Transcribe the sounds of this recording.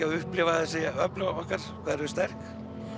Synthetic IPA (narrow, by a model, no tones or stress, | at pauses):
aðʏhplɪvaðɪsejaœplʏɔhkaɾ̥kʰvɛːðɾðʏst̪ɛr̥k